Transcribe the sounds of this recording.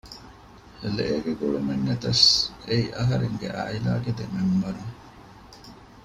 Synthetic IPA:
leʔeːɡeɡuɭumeŋːet̪ɐseiʔɐɦɐɾeŋɡḛʔɐ̰ila̰ːɡed̪emembɐɾu

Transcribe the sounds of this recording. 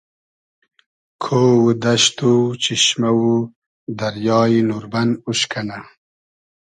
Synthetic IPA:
kʰoːwud̪ɐʃt̪ut͡ɕiʃmawu | d̪ɐɾjɑːinuɾbɐnuɕkʰɐna

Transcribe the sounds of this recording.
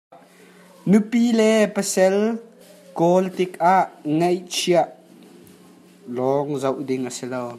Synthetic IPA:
nupilɛpəsɛl | kɔlt̪ɪkaʔŋejt͡ʃʰiaʔ | lɔŋzɐwʔdɪŋʔəsilow

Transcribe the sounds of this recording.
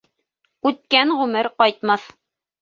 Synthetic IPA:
ʉt̪̚kænʁʉmɘɾqɒjt̪mɑθ

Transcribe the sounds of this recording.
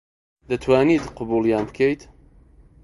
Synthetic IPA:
d̪ɐt̪ʰwaːnit̪qʊbuːlˠjaːnbɨkʰejt̪

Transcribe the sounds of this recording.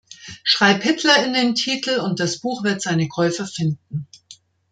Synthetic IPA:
ʃʁ̥aɪphɪtʰlɐɪndeːntʰiːtʰl̩ʊnt̚d̥asb̥uːxv̥ɪɐtz̥aɪnəkʰɔʏfɐfɪnd̚n̩

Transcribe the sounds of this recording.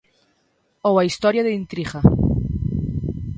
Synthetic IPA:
owaist̪ɔɾjaðeint̪ɾiχa

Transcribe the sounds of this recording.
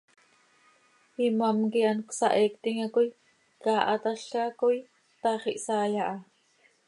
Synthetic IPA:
imamkiʔanksɑʔeːk̚t̪iŋakuj | kaːʔɑt̪aɬkakuj | t̪ɑχiʔsɑːjɑʔɑ

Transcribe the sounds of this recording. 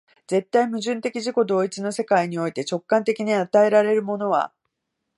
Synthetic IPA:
d͡ze̞t̪ːaimɯ̟ʑɨ̃nt̪e̞kʲiʑiko̞d̪o̞ːit͡sɨino̞se̞kaiɲ̟io̞it̪e̞t͡ɕo̞kːãnt̪e̞kʲiɲ̟iat̪ae̞ɾaɾe̞ɾɯ̟mo̞no̞βa̰

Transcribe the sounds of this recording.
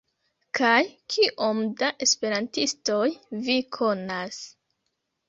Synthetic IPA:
kʰajkʰiʔo̞mdaʔe̞spe̞ɾantisto̞jvikʰo̞nas

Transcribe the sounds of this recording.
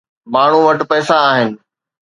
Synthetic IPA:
maːɳ̤uʋɐʈpɛːsãaːɦɪnɪ̆

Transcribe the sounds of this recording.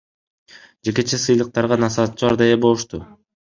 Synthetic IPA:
d͡ʒe̞ke̞t͡ʃʰesɯjlˠɯq̚t̪ɑɾʁɑnɑsɑːt̪̚t͡ʃuɑɾd̪ɑjebo̞lˠuʃt̪u

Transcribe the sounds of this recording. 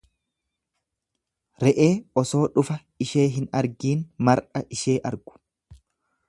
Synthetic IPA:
ɾɛʔe̞ːɔso̞ːᶑʊfɐ | ɪʃe̞ːɦɪnɐɾɡiːnmɐɾᶑɐʔɪʃe̞ːʔɐɾɡ̥ʊ̥

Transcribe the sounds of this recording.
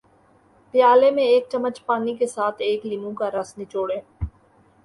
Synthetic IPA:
pjaːlemẽeːk̚t͡ʃɐmːət͡ʃpaːnikesaːt̪ʰeːklimũkaɾɐsnit͡ʃoːɽeː

